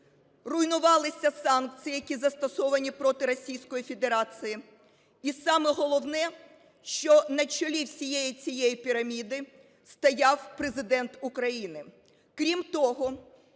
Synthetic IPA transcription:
rʊjnʊʋɑlˠɪsʲɐsɑnk̚t͡s̪ʲɨjijɐkʲizɐst̪ɔsɔʋɐnʲipɾɔt̪ɪɾɔsʲijsʲkɔjifʲe̞d̪eɾɑt͡s̪ʲɨji | isɑmɛɦɔlˠɔwnɛ | ʃt͡ʃɔnɐt͡ʃɔlʲiwsʲijejit͡sʲijejipʲiɾɐmʲid̪ɪ | st̪ɐjɑwpɾezɪd̪ɛnt̪ʊkɾɐjinɪ | kɾʲimt̪ɔɦɔ

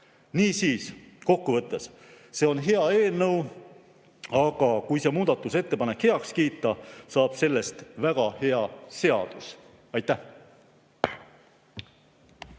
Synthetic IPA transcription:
niːsiːs | ko̞kːuvɤt̪ːˑe̞s | se̞ːo̞nɦe̞ɑe̞ːlnɤw | ɑɡ̥ɑkujse̞muːd̪̥ɑt̪ːˑuse̞t̪ːe̞pɑne̞khe̞ɑkskiːt̪ːˑɑsɑːb̥se̞lːe̞st̪væɡ̥ɑhe̞ɑse̞ɑ̰d̪̥us | ɑjt̪ːˑæh

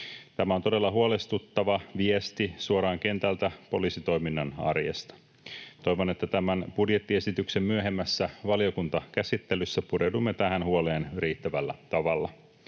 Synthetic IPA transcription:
t̪æmæot̪o̞de̞lːɑɦuole̞st̪ut̪ːɑʋɑʋiest̪isuoɾɑːŋke̞nt̪ælt̪æpo̞liːsit̪o̞jminːɑnɑ̰rjḛst̪ɑ̥ | t̪o̞jʋone̞t̪ːæt̪æmænb̥udje̞t̪ːie̞sit̪ykse̞mːyøɦe̞mːæsːæʋɑlio̞kunt̪ɑkæsit̪ːelysːæpudewdumːe̞t̪æɦænhuole̞ːnyriːt̪ːæʋælːæt̪ɑʋɑlːɑ̰

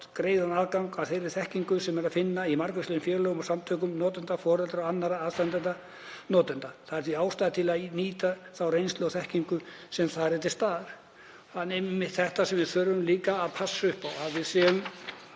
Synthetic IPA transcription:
kɾeːjðanaːðkawŋkaðθejɾɪɾθɛhciŋkʏsɛmɛɾaðfɪnːaimaɾkʏslijnfjɛːɾlœːɣʏmasamt̪ʰœːkʏmnɔːt̪ʏnt̪afɔːɾɛlt̪ɾaanːaɾaaðst̪ant̪ɛnt̪ːa | nɔːt̪ʏnt̪aθaðɛɾ̥θiaːwst̪aːðat̪ʰɪlaðniːt̪aθawrejnslœːɣθɛhciŋkʏsɛmθaðɾɛt̪ɪ̥st̪aːðaɾ̥ | hanːemmːɪt̪θɛht̪asɛmvɪðθœɾʏmliːkaːðpʰasːʏhpawaðvɪðsɛʏm

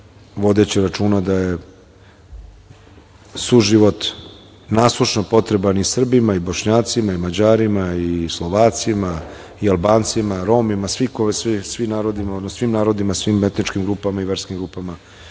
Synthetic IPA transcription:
ʋo̞d̪et͡ɕiɾat͡ʃuːnad̪aje | suʒiʋo̞t̪ | naːslˠuʃnopo̞t̪ɾebanisr̩bimaiboʃɲaːt̪simaimad͡ʑaːɾimaislˠo̞ʋaːt̪sima | ialˠbaːnt̪simaɾo̞ːmimasʋikosʋisʋimnaːɾod̪imaod̪nossʋiːmnaːɾo̞d̪imasʋiːmet̪nit͡ʃkimɡɾuːpamaiʋeɾskimɡɾuːpama

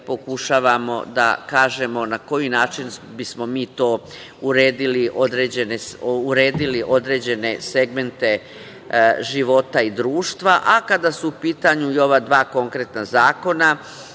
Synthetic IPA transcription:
po̞kuʃaːʋamo̞̰d̪a̰kaːʒe̞mo̞nako̞jinaːt͡ʃinbismo̞miːt̪o̞ː | uɾeːd̪iliʔo̞d̪ɾe̞d͡ʑe̞neuɾeːd̪iliʔo̞d̪ɾed͡ʑe̞ne̞se̞ɡme̞nt̪e̞ | ʒiʋo̞t̪aid̪ɾuːʃt̪ʋaʔakad̪asuupiːt̪aɲuio̞ʋad̪ʋaːko̞ŋkɾe̞t̪nazaːko̞na

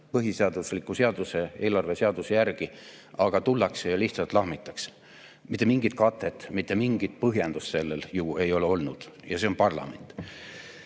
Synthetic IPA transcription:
pɤɦiseɑd̪̥uslikːˑuse̞ɑd̪use̞e̞ːlɑrve̞seɑd̪̥usejærɡ̥i | ʔɑɡ̥ɑt̪ulːɑksejɑliht̪sɑlt̪lɑɦmit̪ːˑɑks | mit̪ˑːemiŋɡ̥it̪̚kɑt̪ːˑe̞t̪ːˑmit̪ˑːe̞miŋɡit̪̚pɤɦjend̪usse̞lːeljue̞jo̞leo̞lnud̪̥jɑseo̞npɑrlɑ̰me̞̰nt̪ˑ

